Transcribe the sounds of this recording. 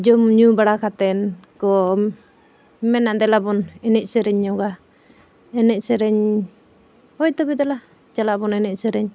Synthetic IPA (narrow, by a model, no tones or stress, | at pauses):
d͡ʒɔmɲubaɽakat̪ɛnkɔ | mɛnaʔd̪ɛlabɔnɛnɛcsɛɾɛɲːɔɡa | ɛnɛʔsɛɾɛɲ | ɔjt̪ɔbɛd̪ɛla | d͡ʒalaʔbɔnɛnɛʔsɛɾɛɲ